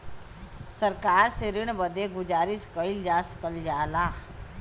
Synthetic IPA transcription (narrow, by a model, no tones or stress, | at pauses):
səɾkaːɾseɾiɽ̃bəd̪eɡʊd͡ʒaːɾiskəild͡ʒaːskəld͡ʒaːlaː